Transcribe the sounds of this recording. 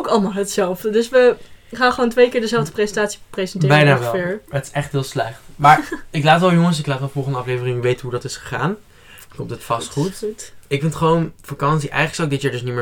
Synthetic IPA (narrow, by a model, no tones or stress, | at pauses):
owkɑlˠmaːlˠɦətsɛlˠvdədɵsʋəχaːnχəʋoːntʋejkɪːɹdəzɛlˠvdəprezəntaːtsi̥prezəntɪːbɛjnaːʋɛlˠɪːɹətɪ̥sɛχtɦɪːlˠslɛχtmaːɹɪklaːtʋɛlˠjʊŋəs̬ɪklaːtʋɛlˠfɔlˠχəndəɑflejvərɪŋyʋejtənɦudɑtɪsχə̥χaːn | kɔmtətfɑstχuttɪkfɪntχəʋownfakɑnsiʔɛ̰jχələksawɪɡ̚dɪtjaɹdɵsniməɹ